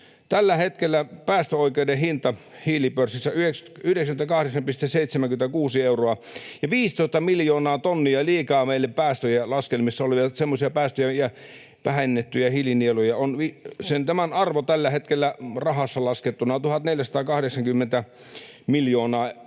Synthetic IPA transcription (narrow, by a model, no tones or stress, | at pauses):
t̪ælːæhet̪kelːæpæːst̪øoikeudehint̪ɑhiːlipørsisːæyheksyhdeksæmnt̪ækɑhɾeksɑmpist̪esseˑit̪semæŋkymet̪ækuːsieuroɑjɑʋiːst̪oˑist̪ɑmiljoːnɑːt̪onːiɑliːkɑːmeilːeppæːst̪øjelɑskelmisːɑoliʋɑt̪semːosiɑpæːst̪øjæjɑ | ʋæhenːet̪ːyjæhiːlinielujɑonʋisent̪æmænɑrʋot̪ælːæhet̪kelːærɑhɑsːɑlɑsket̪ːunɑt̪uhɑt̪neljæsɑt̪ɑːkɑhdeksɑŋkymːent̪æ | miljoːnɑː